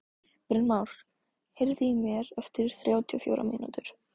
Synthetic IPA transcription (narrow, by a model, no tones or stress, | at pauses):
pɾɛnmawɾ̥ | heɾðɪimjɛɾœft̪ɪɾ̥θɾjaːwt̪ʰiɔfjo̰wɾʔa̰mɪ̰ːnṵt̪ʏɾ̥